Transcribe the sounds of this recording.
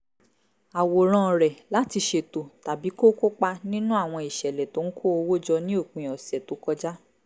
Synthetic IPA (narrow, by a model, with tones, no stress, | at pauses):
a˨wo˨ɾ̃ã˧˨ɾɛ˨la˨˦ti˧ʃe˧to˨ta˨bi˨˦ko˦ko˦k͡pa˧nĩ˦nũ˦a˦˨w̃ɔ̃˧i˨ʃɛ˨lɛ˨to˨˦ŋ̩˦kʰo˦o˧wo˦d͡ʒɔ˧nĩ˦o˦˨k͡pĩ˧˨ɔ˨sɛ˨to˨˦kɔ˦d͡ʒa˦